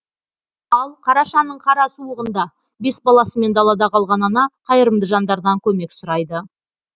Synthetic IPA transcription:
ɑlˠqʰɑɾɑʃɑnːəɴqʰɑɾɑsuəʁənd̪ɑ | be̞sbɑlˠɑsəme̞nd̪ɑlˠɑd̪ɑqʰɑlˠʁɑnɑnɑqʰɑjəɾəmd̪əʒɑnd̪ɑɾd̪ɑŋkʲʰɵme̞ksʊɾɑjd̪ə

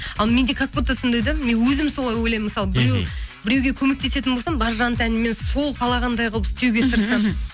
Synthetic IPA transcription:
ɑlˠme̞nd̪e̞kʰak̚put̪ɑsənd̪ɑjd̪əmenwɵzɪmso̞lˠɑjwojlɑjmːəsɑlˠəbɪɾe̞wbɪɾewɡʲe̞kʲʰɵme̞k̚t̪e̞se̞t̪ɪnbolˠsɑmbɑɾʒɑnt̪ænɪme̞nso̞lˠqʰɑlˠɑʁɑnd̪ɑjqʰolˠəpɪst̪e̞wɡʲe̞t̪ʰəɾsɑm

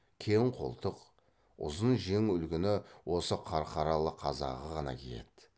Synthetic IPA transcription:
kʲʰeŋqʰo̞̰lˠt̪əq | ʊ̰zənʒe̞ŋʏlɡʲɪnɪwo̞səqʰɑɾqʰɑɾɑlˠəqʰɑzɑ̰ʁəʁɑnɑ̰kʲʰḛj̪e̞̰t̪

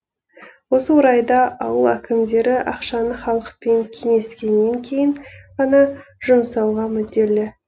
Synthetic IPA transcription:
wo̞səwoɾɑjd̪ɑɑwəlˠækʲɪmd̪e̞ɾɪʔɑqʃɑnəχɑlˠəqpe̞ŋkʲʰe̞ŋe̞skʲe̞nːe̞ŋkʲʰe̞jɪɴʁɑnɑʒ̥ʊmsɑwʁɑmʏd̪e̞lɪ

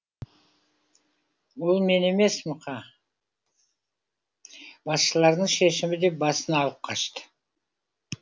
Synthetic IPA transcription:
ulˠme̞ne̞me̞smʊqʰɑ | bɑsʃəlˠɑɾd̪əɴʃeʃɪmɪd̪e̞p̚bɑsənɑːlˠəp̚qʰɑʃt̪ə̥

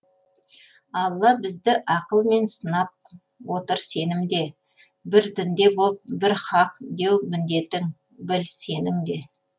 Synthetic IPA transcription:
ɑlˠːɑbɪzd̪ɪʔɑqəlˠme̞nsənɑp̚ | wo̞t̪əɾse̞nɪmd̪e̞ | bɪɾd̪ɪnd̪e̞bolˠəp̚bɪɾχɑq̚d̪e̞wmɪnd̪e̞t̪ːɪŋ | bɪlse̞nɪmd̪e̞

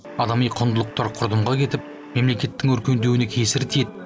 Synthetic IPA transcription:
ɑd̪ɑmijqʰʊnd̪əlˠəq̚t̪ɑɾqʰʊɾd̪əmʁɑkʲʰe̞t̪ɪp̚ | me̞mle̞kʲe̞t̪ːɪŋʏɾkʲe̞nd̪ewɪnekʲʰesɪɾt̪ʰed̪

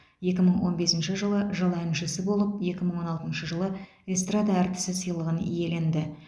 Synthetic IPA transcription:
je̞kʲɪməɴwo̞nbe̞sɪnʃɪʒəlˠəʒəlˠænʒɪsɪbo̞lˠəp̚je̞kʲɪməɴwo̞nɑlˠt̪ənʃəʒəlˠə | est̪rad̪aæɾt̪ɪ̥sɪsəjlˠəʁənḭje̞le̞nd̪ɪ

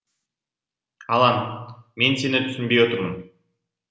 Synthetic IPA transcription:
ɑlˠɑnme̞nse̞nɪt̪ʰʏ̥sʏnbe̞jwo̞t̪ʊɾmən

